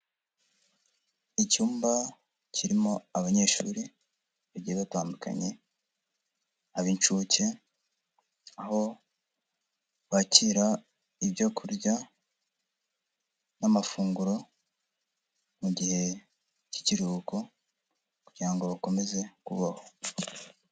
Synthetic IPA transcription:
icuːmba | cʰiɾimo̞aβaɲe̞ːʃṵːɾi | βaɟijeβataːnduka̰ɲe̞ | aβiːnt͡ʃuce̞ | aho̞ | βaciːɾa | iβjo̞kʰuɾɟa | namafuːŋɡuɾo̞ | muɟihe̞ | ci̥ciɾuko̞ | kuɟ̥iɾaŋɡoβako̞me̞ze̞kuβaho

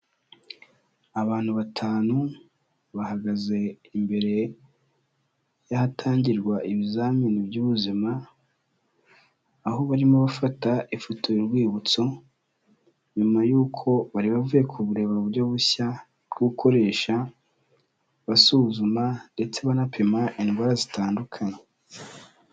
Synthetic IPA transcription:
aβaːn̥huβatʰaːnu | βahaɡaze̞ | imbe̞ɾe̞ | jahatʰaːɲɟiɾɡwaʔiβizaːminibjuːβuzima | ɦo̞βaɾimoβafataifotoiɾɡwiːβut͡so̞ | ɲumajuːkʰo̞βaɾiβavujekʰuβuɾe̞ːβauβuɾjo̞βuça | ɾɡukʰo̞ɾe̞ːʃa | βasuzumande̞t͡se̞βanapʰe̞maʔinɡwaɾazitaːndukʰaɲe

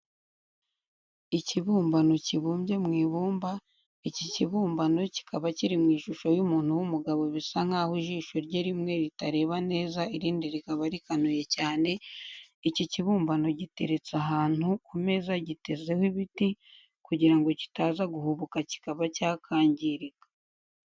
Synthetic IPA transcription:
iciβuːmbano̞ciβuːmbje̞mŋiːβuːmba | iciciβuːmbano̞ci̥kʰaβaciɾimŋiːʃuʃo̞jumuːn̥huwumuɡaβo̞βisaŋ̥haːhuʒiːʃo̞ɾɟeɾimŋe̞ɾitaɾe̞ːβane̞ːzaiɾiːndiɾikaβaɾikanuje̞caːne̞iciciβuːmbano̞ɟite̞̰ɾe̞t͡saɦaːn̥hukume̞zaɟite̞ze̞hwiβiti | kuɟiɾaŋɡo̞ci̥taːzaɡuhuβukaci̥kaβacaːkʰaːɲɟiɾikḁ

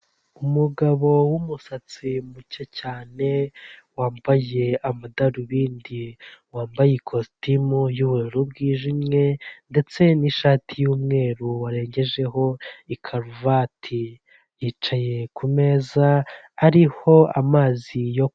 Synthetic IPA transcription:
umuɡaβo̞wumusat͡simucecaːne̞waːmbaje̞amadaɾiβiːndiwaːmbajekʰostimujuβueɾubɡiːʒimŋe̞nde̞t͡se̞niʃaːtʰijuːmŋe̞ːɾuwaɾe̞ːɲɟe̞ʒe̞ɦo̞ikʰaɾuvatʰi | jit͡ʃaje̞kʰume̞ːzaː | ɾiho̞amaːzijo

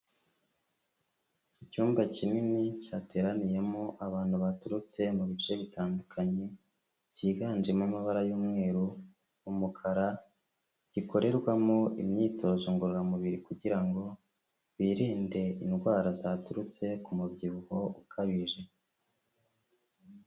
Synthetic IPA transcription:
icuːmbacininicaːte̞ːɾanije̞moʔaβaːn̥huβatuɾut͡se̞muβit͡ʃe̞βitaːndukʰaɲe | ciːɡaːnd͡ʒemamaβaɾajuːmŋe̞ːɾuː | mukʰaɾa | ɟ̥iko̞ɾe̞ɾɡwamoḭmɲiːtʰo̞zoŋɡuɾuɾamuβiɾikuɟiɾaŋɡo̞ | βiːɾiːnde̞inɡwaːɾazaːtuɾut͡se̞kumubɟiβuho̞ukʰaβiʒe̞

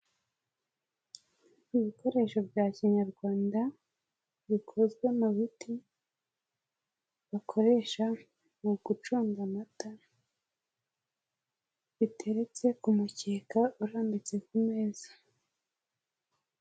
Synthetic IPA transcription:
iβiko̞ɾe̞ʃo̞bjaciɲaɾɡwaːnda | βikʰo̞zɡwe̞muβiti | βakʰo̞ɾe̞ʃa | muɡut͡ʃuːŋɡamataɾ | βitʰe̞ɾet͡se̞kumuceːkauɾaːmbit͡se̞kumeːzḁ

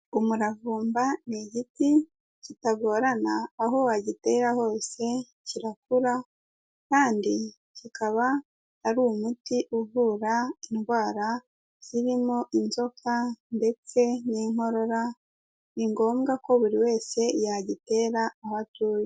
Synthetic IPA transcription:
umuɾavuːmbaneɟiti | citaɡo̞ːɾanaːɦowaɟite̞ːɾaho̞ːse̞ | ciɾakuɾa | kaːndi | cikʰaβaː | ɾuːmutiʔuvuɾainɡwaːɾa | z̥iɾimo̞ʔinzo̞kʰande̞t͡se̞niːŋo̞ɾo̞ɾa | βiŋɡo̞ːmɡako̞βuɾiwe̞ːse̞jaɟite̞ːɾaːhatuːjo

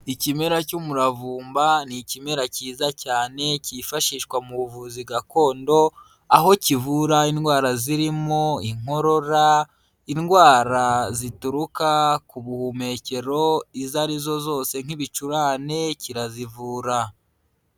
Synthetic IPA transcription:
icime̞ɾacumuɾavuːmbanicime̞ɾaciːzacaːne̞cifaʃiːʃkwamuuvuziɡako̞ːndo̞ | aɦo̞civuɾainɡwaːɾaziɾimo̞iŋ̥o̞ɾo̞ɾa | inɡwaːɾazituɾukakuβuhume̞ce̞ɾo̞izaɾizo̞zo̞ːse̞ŋ̥iβit͡ʃuɾaːne̞ciɾazivuːɾa

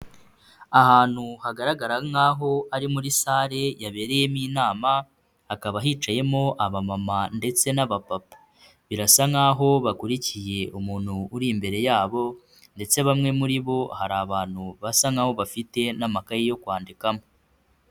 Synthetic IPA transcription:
ahaːn̥huhaɡaɾaɡaɾaŋaɦo̞ʔaɾimuɾisaːɾe̞jaβe̞ːɾe̞je̞miːnaːma | hakaβaɦit͡ʃaje̞mo̞ʔaβamamande̞t͡se̞naβapapḁ | βiɾasaŋaːɦo̞βakuɾicije̞ʔumuːn̥huːɾimbe̞ɾe̞jaːβo̞ | nde̞t͡se̞βamŋe̞muɾiβo̞haɾaːβaːn̥huβasaŋaːho̞βafite̞namakajijo̞kwaːndikamo

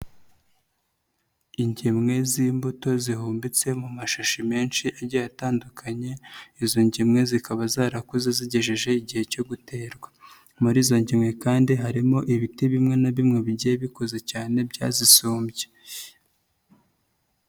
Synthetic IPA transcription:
iɲɟemŋe̞ziːmbuto̞zihuːmbit͡se̞mumaʃaʃimeːnʃiʔaɾɟajataːndukʰaɲe̞izo̞ɲɟimŋe̞zikaβazaːɾakuzeziɟe̞ʒeʒe̞iɟihe̞co̞ɡute̞ːɾɡwa | muɾiːzo̞ɲɟimŋe̞kaːndiɦaɾimo̞ʔiβitiβimŋe̞naβimŋe̞βiɟieβiko̞ze̞caːne̞bɟa̰ːzisuːmbje

